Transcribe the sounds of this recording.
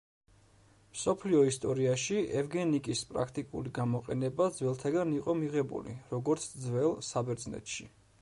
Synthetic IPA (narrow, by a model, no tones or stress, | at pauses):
msɔpʰliɔist̪ʼɔɾiaʃiʔɛvɡɛnikʼispʼɾa̰kʰt̪ʼikʼṵliɡamɔqʼɛ̰nɛbad̪zvwɛlˠt̪ʰaɡaniqʼɔmiʁɛbṵlḭɾɔɡɔɾt̪sʰd̪zvɛlˠsabɛɾd̪znɛ̰t̪ʰʃi